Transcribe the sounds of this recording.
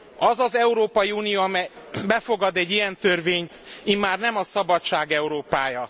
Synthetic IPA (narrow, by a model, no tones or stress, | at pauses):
ɒzɒzɛuɾoːpɒjiuːnijoːɒmɛj | bɛfo̞ɡɒd̪ɛɟːijɛnt̪ørveːɲt̪imːaːrnɛmɒsɒbɒtt͡ʃaːɡɛuɾoːpaːjɒ